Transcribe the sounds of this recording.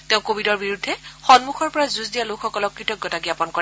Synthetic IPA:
teʊ̃kobidɔɹbiɹudʱːɛxɔnmuxʰɔɹpɔɹazuzdijalokʰxɔkɔlɔkːɹitɔkjɔtaɡiapɔnkɔɹɛ

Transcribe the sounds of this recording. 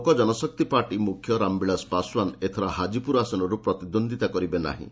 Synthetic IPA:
kɔd͡ʒɔnɔsɔk̚t̪ipaɾʈimukʰjɔɾambiɭaspaswanet̪ʰɔɾaɦad͡ʒipuɾasɔnɔɾupɾɔt̪id̪ond̪ʱit̪akɔɾibena̰ɦḭ̃

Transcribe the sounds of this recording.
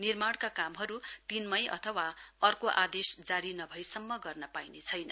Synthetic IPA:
nirmaɽ̃kakamɦʌɾut̪inmʌjʔʌ̰t̪ʰʌwaʌrkoʔad̪esd͡zaɾinʌbʱʌjsʌmːʌɡʌrnʌpajnet͡sʰʌjnʌ

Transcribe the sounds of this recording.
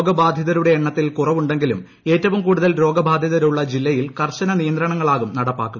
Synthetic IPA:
oːɡɐbʱaːd̪ʱjɐðɐɾuɽe̞ːɳːɐt̪ːilkurɐʋuɳɖe̞ŋɡilum | e̞ːtːɐʋumkuːɽuðɐlɾo̞ːɡɐbʱaːd̪ʱjɐðɐɾuɭːɐd͡ʑilːɐjilkɐrɕɐnɐnijɐnd̪ɾɐɳɐŋːɐɭaːɣumnɐɽɐpːa̰ːkːu

